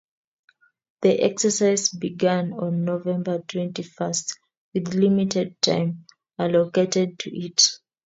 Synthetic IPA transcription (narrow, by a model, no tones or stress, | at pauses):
ðiʔɛksəsaɪzbiɡãnɔ̃nːovɛ̃mbə˞tʰwɛ̃ntifəst | wiðlimitʰɛd̚tʰã̰ɪ̃m | aloketɛd̚tʰuʔit